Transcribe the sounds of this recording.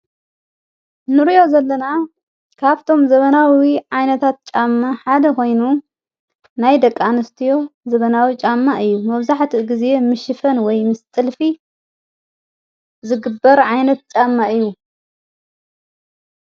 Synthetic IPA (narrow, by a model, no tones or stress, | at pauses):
nɨɾijo̞zɐlːɐna | kʰaβt̪ʰo̞mzɐβɐnawiʕajnɐt̪ʰat̪̚t͡ʃʼamːaħad̪ɐko̞jnu | najd̪ɐkʼːanɨst̪ʰijo̞zɐβɐnawit͡ʃʼamːaʔɨjːumɐβzaħt̪ʰiɡɨze̞mɨʃɨfɐnwɔjmɨst̪ʼɨlfi | zɨɡɨbːɐɾʕajnɐt̪̚t͡ʃʼamːaʔɨjːu